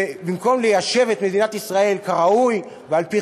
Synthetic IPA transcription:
ebimko̞mlejaʃe̞vet̪med̪inat̪isʁae̞lkaʁauj | vealpi

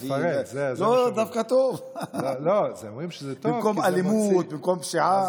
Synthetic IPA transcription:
ezelod̪afkat̪ov | lozeomʁimʃəzɛt̪bɪmkomʔalimut̪̚bɪmkomʃiʕa

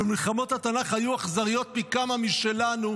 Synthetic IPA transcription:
bemilχamo̞t̪hat̪anaχhajuaχzaʁijo̞t̪̚mikamamiʃe̞lanu

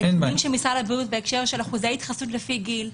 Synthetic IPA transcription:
emimʃemisalabutbeekʃeʁʃelaχuzait̪χasut̪lefiɡil

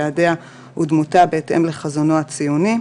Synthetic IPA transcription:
adea | hud̪mutabeetḛmle̞χazono̞at͡sijuni

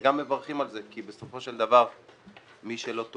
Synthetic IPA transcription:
ɡamːe̞vaʁχimalzekibeso̞fo̞ʃe̞ld̪avaʁ | miʃe̞lo̞t̪o

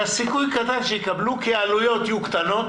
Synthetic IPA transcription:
asikujkat̪anʃejekablukealujo̞t̪jukt̪anot̪

